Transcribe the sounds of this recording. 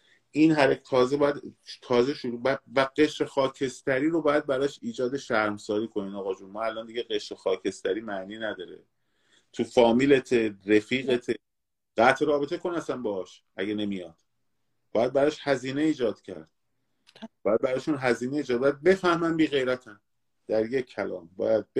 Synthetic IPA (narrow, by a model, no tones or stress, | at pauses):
ʔinɦæɾect̪ʰɒːzebɒːjæd̪t̪ʰɒːze̞ʃuɾubævæɢe̞ʃɾexɒːcʰe̞st̪æɾiːɾo̞bɒːjæd̪̚bæɾɒːʃiːd͡ʒɒːd̪e̞ʃæɾmsɒːɾiːkʰo̞niːnɒːɣɒːd͡ʒunmɒːælʔɒːnd̪iɟeɣe̞ʃɾexɒːcʰe̞st̪ʰæɾiːmæniːnæd̪ɒːɾḛ | t̪ʰufɒːmile̞t̪ʰerefiːɣe̞t̪ʰe | ɢ̥æt̪ʰɾɒːbe̞t̪ʰe̞kʰonæsænbɒɒːʃ | ʔæɟene̞mijɒd̪̥ | b̥ɒːjæd̪̚bæɾɒːʃhæziːne̞iːd͡ʒɒːd̪̥cʰæ̰ɾd̪̥̚ | bɒːjæd̪̚bæɾɒːʃunɦæziːneiːd͡ʒɒːd̪̚bɒjæd̪̚be̞fæhmænbiːɣe̞jɾæt̪ʰæn | d̪̥æɾjekʰːælɒ̰ːmbɒ̰ːjæd̪̚b